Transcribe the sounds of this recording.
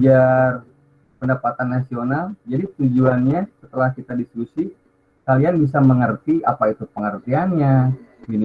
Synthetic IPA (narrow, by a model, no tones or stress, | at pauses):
d͡ʒar | pəndapat̪anːasionald͡ʒadit̪ud͡ʒuanɲasət̪əlahkit̪adiskusi | kalianbis̬aməŋərt̪iapait̪upəŋərt̪ianɲaɡin